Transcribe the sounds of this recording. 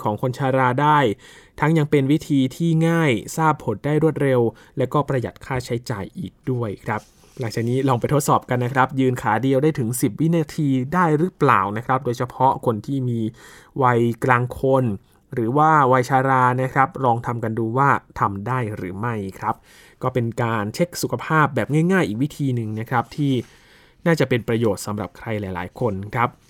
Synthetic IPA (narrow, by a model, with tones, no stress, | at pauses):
kʰɔː˩˦ŋkʰo˧nt͡ɕʰaː˧ɾaː˧daː˥˩j | t̪ʰa˦˥ŋja˧ŋpe˧nwi˦˥t̪ʰiː˧t̪ʰiː˥˩ŋaː˥˩jsaː˥˩pʰːo˨˩˦ndaː˥˩jɾu˥˩ət̪̚ɾe˧w | lɛ˦˥wkɔː˥˩pɾa˧ja˨˩t̪̚kʰaː˥˩t͡ɕʰa˦˥jt͡ɕa̰ː˨˧jʔiː˨˩k̚du˥˩əjkʰɾa˦˥p̚ | la˩˦ŋt͡ɕaː˨˩k̚niː˦˥lɔː˧ŋpa˧jt̪ʰo˦˥t̪sɔː˨˩p̚ka˧nːa˦˥kʰɾa˦˥p̚jɯː˧nkʰaː˩˦di˧əwdaː˥˩jt̪ʰɯ˩˦ŋsi˨˩p̚wi˦˥naː˧t̪ʰiː˧daː˥˩jɾɯ˦˥pla̰ː˨˩wna˦˥kʰɾa˦˥p̚doː˧jt͡ɕʰa˧pʰɔ˦˥kʰo˧nt̪ʰiː˥˩miː˧ | wa˧jklaː˧ŋkʰo˧n | ɾɯː˩˦waː˥˩wa˧jt͡ɕʰaː˧ɾaː˧na˦˥kʰɾa˦˥p̚ɾɔː˧ŋt̪ʰa˧mka˧nduː˧waː˥˩t̪ʰa˧mdaː˥˩jɾɯ̰ː˩˦ma˥˩jkʰɾa˦˥p̚ | kɔː˥˩pe˧nkaː˧nt͡ɕʰe˦˥k̚su˨˩kʰa˧pʰaː˥˩p̚bɛː˨˩p̚ŋa˥˩jŋaː˥˩jʔiː˨˩k̚wi˦˥t̪ʰiː˧nɯ˨˩ŋn˦˥kʰɾa˦˥p̚t̪ʰiː˥˩ | naː˥˩t͡ɕa˨˩pe˧npɾa˧joː˨˩t̪̚sa˩˦mɾa˨˩p̚kʰɾa˧jlaː˨˩˦jla̰ː˩˦jkʰo˧nkʰɾa˦˥p̚